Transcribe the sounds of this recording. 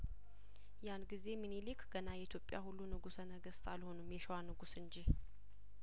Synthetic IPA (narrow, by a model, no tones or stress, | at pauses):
janɡize̞minilikʰɡ̥ənajɛit̪ʰjo̞pʼːja̰hulːunɨɡusənəɡəst̪ʰalho̞numjɛʃəwanɨɡusɨɲd͡ʒi